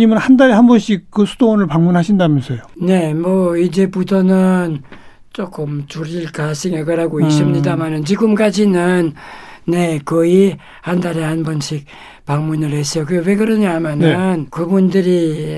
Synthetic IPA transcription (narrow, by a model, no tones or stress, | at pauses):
ɲimɯnhandaɾehanbʌnɕʰik̚k͈ɯsʰud̥oonɯɭpaŋmunɦaɕʰindamjʌnsʰejone̞mʌid͡ʑe̞budʌnɯn | t͡ɕ͈ok͈ɯmt͡ɕuɾiɭkas͈ʰɯŋeɡɯɾaɡoiɕ͈ʰimɲidamanɯnt͡ɕiɡɯmk͈ad͡ʑinɯnː | e̞kʌi | handaɾehanbʌnɕʰik̚ | paŋmunɯɭhes͈ʌjokɯwe̞ɡɯɾʌɲamjanɯnkɯbundɯɾi